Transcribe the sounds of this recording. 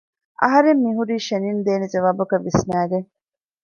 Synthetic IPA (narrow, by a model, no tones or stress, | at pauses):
ʔɐ̰ɦɐɾemːiɦuɾiːʃɐnind̪eːned͡ʒɐʋaːbɐkɐʋːisnæːɡeŋ